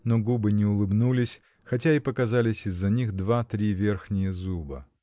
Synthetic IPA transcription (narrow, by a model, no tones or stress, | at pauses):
noɡubɨnʲɪʊlˠɨbnulʲɪsʲ | xɐtʲaipəkɐzalʲɪsʲɪzːɐnʲixd̪vat̪ɾʲivʲe̞rxnʲɪjəzubə̰